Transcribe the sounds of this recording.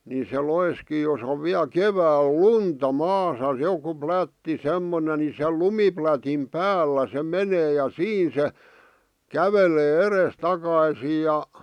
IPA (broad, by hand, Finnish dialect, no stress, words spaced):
ni se loiskiː jos oʋ ʋiæl keʋæːl luntɑ mɑːsɑ joku plætːi semːone ni se lumiplætim pæːlːæ se meneː jɑ siːn se kæʋele erestɑkɑisiːj jɑ